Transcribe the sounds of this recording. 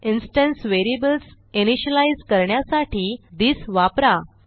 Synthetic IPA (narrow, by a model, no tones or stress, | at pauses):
insʈə̃nsʋeɾiebəls | iniɕəlaizkəɾɳjasaʈʰiːd̪iːsʋapɾa